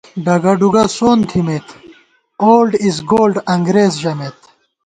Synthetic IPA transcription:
ɖɐɡɐɖuɡasoːnt̪ʰimet̪ | oːlɖizɡoːlɖɐŋɡɾeːzʑɐmet̪

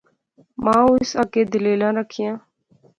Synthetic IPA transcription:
mãːʊsakeːd̪ɪleːlãːɾəkʰijãː

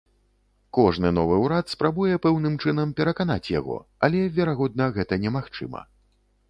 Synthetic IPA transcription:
kɔʐnɨnɔvɨwɾat̪spɾabujɛpɛwnɨmt͡ʂɨn̪ɐmpʲɛɾɐkana̰t͡sʲja̰ɣɔ̰ | alʲɛvʲɛɾaɣɔd̪nɐɣɛt̪ɐnʲɛmaxt͡ʂɨ̰mɐ̰

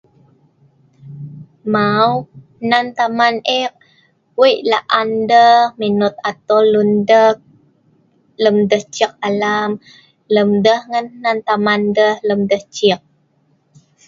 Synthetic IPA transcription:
maw | nant̪amanɛk̚ | wəʔlaʔandəhmenut̪̚at̪olundək̚ | ləmdəht͡ʃik̚alam | ləmdəhŋənnant̪amandəhləmdəht͡ʃik̚

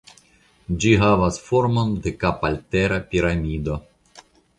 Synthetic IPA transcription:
d͡ʒiɦavasfo̞ɾmo̞ndekapalteɾapiɾamʲido̞

